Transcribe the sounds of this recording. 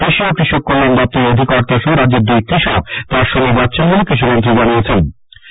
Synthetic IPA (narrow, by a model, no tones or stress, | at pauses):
eʃiokɾiʃok̚ːonand̪ɔp̚t̪eod̪ʱikɔɾt̪aʃuɾad͡ʑeɾd̪ujkɾiʃat̪aɾʃoŋɡebatːt͡ɕʰenbonekɾiʃ̬umont̪ɾid͡ʑaniet͡ɕʰen